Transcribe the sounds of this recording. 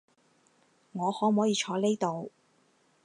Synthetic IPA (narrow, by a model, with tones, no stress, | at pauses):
ŋɔː˨˧hɔː˨˥m̩˨hɔː˨˥jiː˧t͡ʃʰɔː˨˧˥le˥jt̪o˨˧w